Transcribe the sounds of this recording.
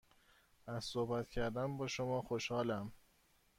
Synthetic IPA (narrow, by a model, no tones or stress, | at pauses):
æz̥sohbæt̪cʰæɾd̪ænbɒːʃomɒːxoʃhɒːlæm